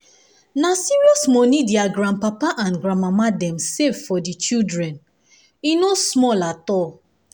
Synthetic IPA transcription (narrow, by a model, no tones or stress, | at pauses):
nasiɹiɔsmɔnidiaɡɹãnpapaʔãnɡɹãnmamadɛ̃msevfɔdit͡ʃildɹɛ̃n | inosmɔlatɔ